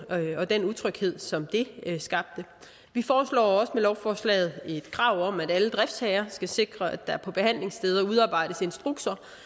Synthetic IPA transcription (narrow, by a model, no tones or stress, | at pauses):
ɒ̽d̥enuðˠt͡sʰʁœɡ̥he̝ð̞̰ˠsɒ̽md̥e̝sɡ̥ɑ̈b̥̚d̥ə | ʋifɒːslɒ̰ːɒ̽səmelɒʊfɒːslɛ̰ɪð̩ˠe̝d̥kʰʁɑ̈ʊ̰ɒ̽mæɾ̥æləd̥ʁɛfd̥shɛɪɐsɡ̥æse̝ɡ̥ʁɐæd̥ɑ̈æɐpʰɒ̽b̥e̝hæn̰le̝ŋsd̥eːð̞ˠɐuð̞ˠɑ̈ːb̥ɑ̈ɪ̰ɾ̥əse̝nsd̥ʁuɡ̥sʰɐ